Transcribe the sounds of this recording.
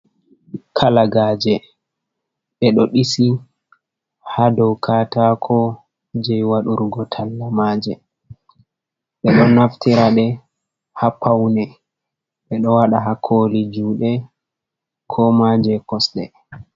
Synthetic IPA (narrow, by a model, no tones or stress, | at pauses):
kʰalaɡaːd͡ʒɛ | ɓɛɗɔɗisi | hadɔwkʰatakʰɔ | d͡ʒɛjwaɗuɾɡɔtʰalːamaːd͡ʒɛ | ɓɛɗɔnaftʰiɾaɗɛ | hapʰawnɛ | ɓɛɗɔwaɗaɦakʰolid͡ʒuːɗɛ | kʰɔmad͡ʒɛkɔsɗɛ̰